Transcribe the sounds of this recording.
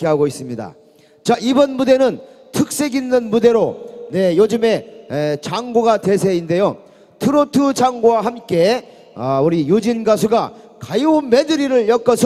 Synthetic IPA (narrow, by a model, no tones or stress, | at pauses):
k͈eɦaɡois͈ɯmɲida̰ | t͡ɕaibʌnmude̞nɯntʰɯk̚s͈e̞ɡinːɯnmude̞ɾone̞jod͡ʑɯme̞t͡ɕaŋɡoɡade̞sʰe̞inde̞jo | tʰɯɾotʰɯd͡ʑaŋɡowaɦamk͈e̞ | ʌuɾijud͡ʑinɡasʰuɡa | kajounme̞dɯɾiɾɯɭjʌk͈ʌsʰʌ